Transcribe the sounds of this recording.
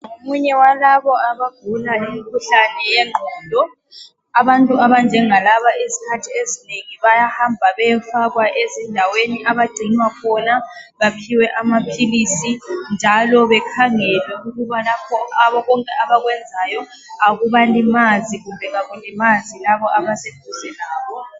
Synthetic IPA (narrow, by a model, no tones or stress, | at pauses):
ŋomuɲɛwalaβɔaβaɡ̥̚ʱulalimikʰuɬanɛjɛŋ͡ǃʱɔːndʱɔ | aβantʼuaβand͡ʒʱɛŋalaβaizi̥kʰatʰiezineŋiβajahambʱaβɛjɛfaɣwaʔezindʱaweniʔaβaɡ͡ǀʱinwakʰɔnaβapʰiwɛʔamapʰilisind͡ʒʱalɔβɛkʰaŋɛlwɛuɣuβalapʰɔaβɔɣɔŋkʼɛaβaɣwɛnd͡zʱajɔ | aɣuβalimazʱiɣumbʱɛɣaɣulimazʱilaβɔaβased̥ʱuzɛlaːβɔ